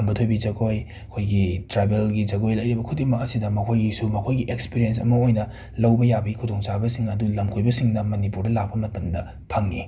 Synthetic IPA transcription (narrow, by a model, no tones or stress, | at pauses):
ɐmbɐtʰojbid͡ʒɐɡoj | ɐkʰojɡitɾabelɡid͡ʒɐɡojlɐjɾibɐkʰudimɐkɐsidɐmɐkʰojɡisumɐkʰojɡiʔekspiɾijens̬ɐ̰mɐojnɐ | lɐwbɐjabɐɡikʰudoŋsabɐsiŋɐdulɐmkʰojbɐsiŋnɐmɐnipuɾdɐlak̚pɐmɐtɐmdɐ | pʰɐŋːi